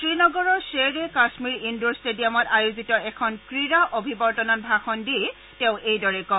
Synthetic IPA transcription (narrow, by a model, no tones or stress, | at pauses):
tɹinɔɡɔɹɔɹseɹɛkasmiɹindɔɹstedijamɔtajozitɔɛkʰɔnkɹiɹaʔobʱibɔɹtɔnɔt̚bʱaxɔndie | tɛʊ̃ʔejdɔɹɛkɔ